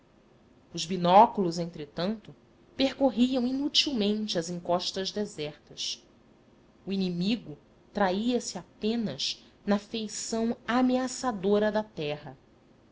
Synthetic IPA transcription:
ʊzbinɔkulʊzẽnt̪ɾet̪ɐ̃nt̪ʊ | pehkoɦiɐ̃w̃inut͡ʃiwmẽnt͡ʃɪɐzĩŋkɔʃt̪ɐʒd̪ezɛχt̪ɐs | uinimiɡʊ | t̪ɾaiɐsɪapẽnɐʃ | nɐfejsɐ̃w̃ameasad̪oɾɐd̪ɐt̪ɛɦɐ

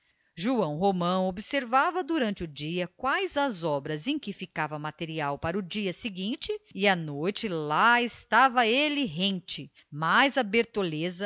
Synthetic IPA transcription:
ʒuɐ̃w̃ɦomɐ̃w̃obɪseɾvavɐd̪uɾɐ̃nt͡ʃɪʊd͡ʒiɐkwajzɐzɔbɾɐzẽj̃kɪfikavɐmat̪eɾiawpaɾʊd͡ʒiɐsɪɡĩnt͡ʃɪɪɐnojt͡ʃɪlaɪst̪avɐelɪɦẽt͡ʃɪ | majzɐbeɾt̪olezɐ

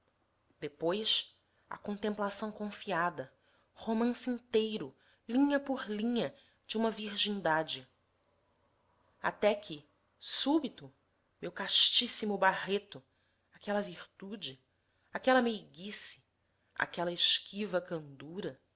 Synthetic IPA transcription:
d̪̥epojʃ | ɐ̰kõnt̪ẽmplasɐ̃w̃kõfiad̪ɐ | homɐ̃sĩnt̪ejɾʊ | lĩɲɐpʊɾlĩɲɐ | d͡ʒɪũmɐviɾʒĩnd̪ad͡ʒɪ | a̰t̪ɛkʰɪ | subit̪ʊ | mewkaʃt͡ʃisimʊbaɦet̪ʊ | akɛlɐviɾt̪ud͡ʒɪ | akɛlɐmejɡisɪ̥ | a̰kɛlɐɪʃkʰivɐkɐ̃nd̪uɾɐ

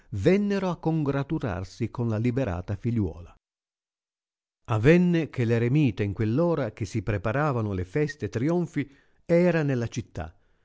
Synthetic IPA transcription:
vɛnːeɾoakːoŋɡɾat̪uɾa̰rsikonlalibɛɾa̰ːt̪afiʎːwɔ̰ːla | avɛnːek̟eleɾemiːt̪eiŋkwelːɔːɾak̟esːipɾepaɾaːvanʊlefɛst̪et̪ɾiɔɱfi | ɛːɾanelːat͡ʃit̪ːa̰

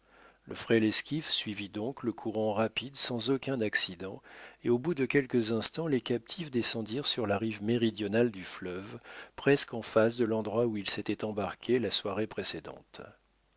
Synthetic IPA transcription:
ləfχɛlɛskʲifsɥivid̪ɔ̃kləkʰuʁɑ̃ʁapid̪sɑ̃zokʲɛ̃naksid̪ɑ̃eobud̪əkʲɛlkəzɛ̃st̪ɑ̃lekʲap̚t̪ʰifd̪esɑ̃d̪iʁsyʁlaʁivmeʁid̪jɔnald̪yflœvpχɛskɑ̃fas̬d̪əlɑ̃d̪ʁwauilset̪ɛt̪ɑ̃baʁkʲʰelaswaʁepχesed̪ɑ̰̃t̪

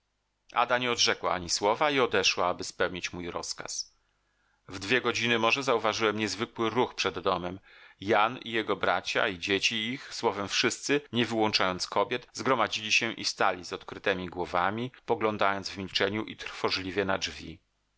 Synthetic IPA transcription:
ʔa̰d̪aɲɛɔd̪ʐɛkwa̰aɲiswɔvaiɔd̪ɛʂwaabɘspɛwɲit͡ɕmujɾɔska̰s | vd̪vʲjɛɡɔd͡ʑinɘmɔʐɛzauvaʐɘwɛmɲɛzvɘkwɘɾuxpʂɛd̪ːɔmɛmjanḭjɛɡɔbɾat͡ɕa̰id͡ʑet͡ɕiːxswɔvɛmfʂɘst̪sɘɲɛvɘwɔnt͡ʂajɔnt̪skɔbʲjɛt̪zɡɾɔmad͡ʑilʲiɕɛʔḭst̪alʲizɔt̪kɾɘt̪ɛmʲiɡwɔvamʲipɔɡlɔnd̪ajɔnd̪zvmʲilt͡ʂɛɲuʔit̪ɾfɔʐlʲivʲjɛnad͡ʐvʲḭ

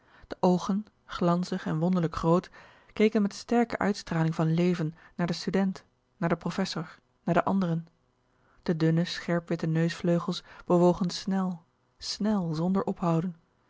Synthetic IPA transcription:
d̥əʔowχən | χlɑnzəχɛnʋɔndəɹləkχrowt | kejkənmɛtstɛɹkə̰ʔœ̰ɥtstraːlɪŋvɑnlejvənːaːɹdəstydɛnt | naːɹdəprofɛsʊɹ | naːɹdəʔɑndərən | d̥ədʏnəsχɛɹpʋɪtənøɥsfløɥχəlˠsb̥əʋowχənsnɛlˠ | snɛlˠzɔndəɹʔɔpɦɑwdən

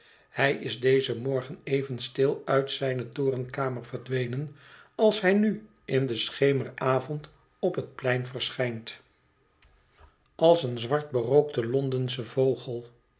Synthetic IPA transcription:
hɛjɪzdejzəmɔɹχənejvənstɪlˠœɥtsɛjnətʊːrənkaːməɹvəɹdʋejnənɑlˠsɦɛjny | ʔɪndəsχejməɹaːvɔnt | ɔpɦət̚plɛjnvəɹsχɛjnt | ʔɑlˠsənzʋɑɹt̚bərowk̚təlɔndənsəvowχəlˠ

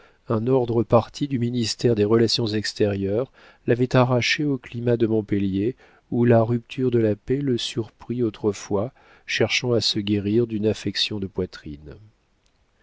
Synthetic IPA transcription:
ɛ̃nɔʁd̪ʁəpaʁt̪ʰid̪yminist̪ɛʁd̪eʁəlasjɔ̃zɛkst̪ɛʁjœʁ | lavɛt̪aʁaʃeoklimad̪əmɔ̃pəlje | ulaʁypt̪ʰyʁd̪əlapeləsyʁpχiot̪χəfwa | ʃɛʁʃɑ̃asəɡʲeʁiʁd̪ynafɛksjɔ̃d̪əpwat̪χḭn

